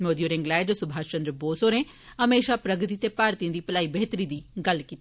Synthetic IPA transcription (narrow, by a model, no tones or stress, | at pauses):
moːd̪ioːɾɪ̃ŋɡlɛːd͡ʒsʊbʱaːt͡ʃənd̪ɾəboːsoːɾẽː | əmeːʃaːpɾəɡɾɪt̪iːt̪eːpaːɾt̪ijãːd̪iːpəlaːiːbeːt̪əɾiːd̪iːɡəlkiːt̪ː